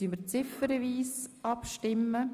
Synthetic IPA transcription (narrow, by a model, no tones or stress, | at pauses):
yməɾt͡sɪfəɾəviːsʔɑpʃtɪmːə